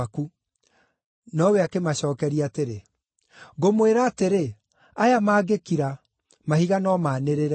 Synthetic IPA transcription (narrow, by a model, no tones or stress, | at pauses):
ku | nɔweakemaɕɔːkɛɾiateɾe | ɣomweɾaːteɾe | ajamaːɣekiɾa | mahiɣanɔmaːneɾeɾ